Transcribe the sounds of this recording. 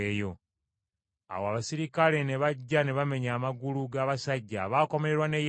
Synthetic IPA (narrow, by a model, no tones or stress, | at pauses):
ejo̞ | a̰woaβasiɾikale̞ne̞βaɟːane̞βame̞ɲaːmaɡuluɡaːβasaɟːaβaːko̞me̞ɾe̞ɾwane̞j